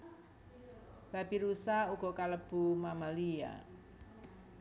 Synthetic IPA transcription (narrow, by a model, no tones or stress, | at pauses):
b̥a̤piɾusauɡ̥ɔkaləb̥ṳmamalija̰